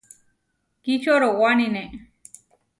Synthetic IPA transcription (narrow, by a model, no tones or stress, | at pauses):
kit͡ʃoɾowanine